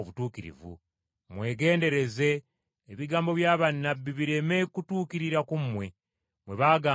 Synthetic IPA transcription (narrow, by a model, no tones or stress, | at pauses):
oβutuːkiɾḭvṵ | mwe̞ːɡe̞ːnde̞ɾe̞ze̞ː | βiɡaːmbo̞βjaːβanːabːiβiɾe̞me̞kutuːkiɾiɾakumwe̞ | mwe̞βaːɡaː